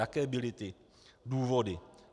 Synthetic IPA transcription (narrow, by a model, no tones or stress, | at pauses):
akɛːbɪlɪt̪ɪ | duːvodɪ